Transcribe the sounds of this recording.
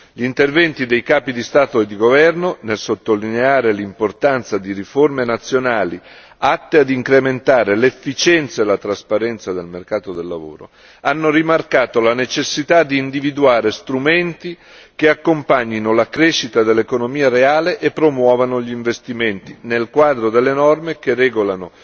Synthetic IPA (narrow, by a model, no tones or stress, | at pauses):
ʎint̪ervɛnt̪id̪ejkaːpid̪ist̪aːt̪oed̪ːiɡovɛrnonelsot̪ːolineaːɾelimport̪ant̪sad̪iɾiformenat̪sːjonaːli | at̪ːead̪iŋkɾement̪aːɾelefːit͡ʃɛnt̪saelat̪ɾaspaɾɛnt̪sad̪elmerkaːt̪od̪elːavo̰ːɾo̰ | anːorimarkaːt̪olanet͡ʃesːit̪ad̪iːnd̪ivid̪uaːɾest̪ɾument̪i | keakːompaɲːinolakɾeʃːit̪ad̪elːekonomiːaɾeaːleʔepːɾomwɔːvanoʎiɱvest̪iment̪inelkwaːd̪ɾod̪elːenɔrmekerɛːɡolano